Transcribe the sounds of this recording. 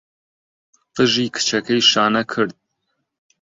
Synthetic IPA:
fɨʒiːkʰɨ̥t͡ʃʰɐkʰɐjʃaːnɐkʰɨɾd̪̚

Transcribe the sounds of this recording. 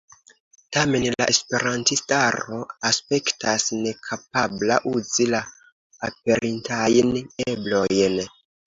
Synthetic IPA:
tame̞nla̰ʔe̞spe̞ɾantistaɾo̞aspe̞ktasne̞kʰap̚ablaʔuzilaː | p̚e̞ɾʔintajneblo̞jn

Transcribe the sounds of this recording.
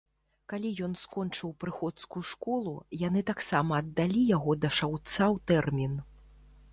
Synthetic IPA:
kalʲijɔnskɔnt͡ʂɨwpɾɨxɔt̪skuuʂkɔlˠujanɨt̪aksamɐːd̪ːalʲijaɣɔd̪ɐʂawt̪sawt̪ɛrmʲin

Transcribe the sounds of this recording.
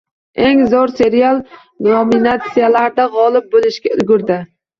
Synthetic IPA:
e̞ŋzɒɾse̞ɾialˠ | nominat̪sijalaɾd̪aʁɒlˠɪp̚bolɪʃkʲaʊɡʲʊɾd̪ɪ

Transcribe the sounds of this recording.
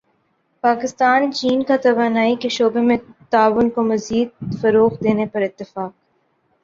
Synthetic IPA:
paːkɪst̪aːnt͡ʃiːnkat̪ɐʋaːnaːikeʃoːbemẽt̪aːʋʊnkomɐziːd̪̚fɐɾoːqd̪eːnepɐɾɪt̪ːɪfaːk̚

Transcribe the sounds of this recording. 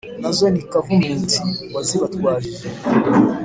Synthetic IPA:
nazonikakumuːnsiwaziβatwaːʒiʒe

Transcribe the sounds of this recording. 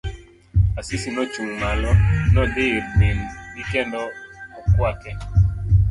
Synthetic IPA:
asisinɔt͡ʃuŋŋalɔnɔdɪɾmɪnɡikɛndɔɔkwakɛ

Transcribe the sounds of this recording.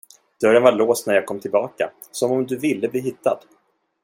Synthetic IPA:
d̪̥œɾənvaɭoːst̪næɾjɑːɡ̚kʰɔmːt̪ʰɪlbɑːka̰ | sɔmɔmd̪ɵvɪlːəbliːɦɪt̪ːad̪̥

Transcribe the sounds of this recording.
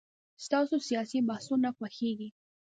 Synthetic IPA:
st̪ɑsosijɑsibahsunaxwaxeɡi

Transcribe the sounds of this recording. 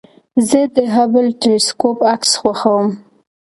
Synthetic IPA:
zəd̪əɦabəlʈelɪskopaksxwaxawəm

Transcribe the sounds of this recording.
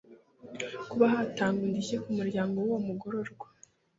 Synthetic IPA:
kuβaɦaːtaːŋɡundiçekumuɾɟaːŋɡo̞womuɡo̞ɾo̞ɾɡwḁ

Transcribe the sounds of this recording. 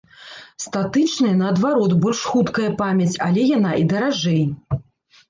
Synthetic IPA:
st̪at̪ɨt͡ʂnɐjɐnɐːd̪vaɾɔt̪bɔlʲʂxut̪kɐjɐpamʲɐt͡sʲalʲɛjanaʔid̪ɐɾaʐɛj

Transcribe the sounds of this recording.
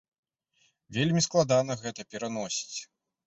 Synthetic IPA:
vʲelʲmʲisklˠad̪anɐɣɛt̪ɐpʲɛɾanɔsʲi̥t͡sʲ

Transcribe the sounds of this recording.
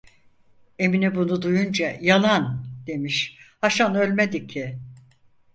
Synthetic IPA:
e̞minibunud̪ujund͡ʒajalˠand̪̥e̞miʃhaʃanølʲmed̪icʰːiɪ

